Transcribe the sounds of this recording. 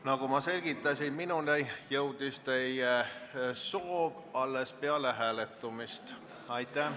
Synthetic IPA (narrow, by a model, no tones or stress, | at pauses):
nɑɡumɑse̞lʲɡ̥it̪ːˑɑsinminunejjɤwd̪̥ist̪e̞je | soːb̥ɑlːespeɑleɦæːlet̪ːˑumist̪ | ɑjt̪ːˑæ